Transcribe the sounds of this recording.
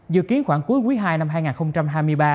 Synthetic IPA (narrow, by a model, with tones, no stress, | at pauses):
zɨ̰˧˨ki˨˦ənxwaː˧˩ŋku˨˦jkwi˨˦jɦaː˧jna˧mɦaː˧jŋaː˨˩nxə˧wŋ͡mt͡ɕa˧mɦaː˧jmɨ˧əjɓaː˧